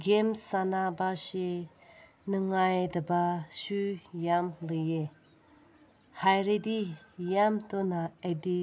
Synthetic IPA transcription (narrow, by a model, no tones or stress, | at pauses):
ɡemsanabaʃe | nɯŋajdabaʃujamlɯje | hajɾed̪ijamtonaedi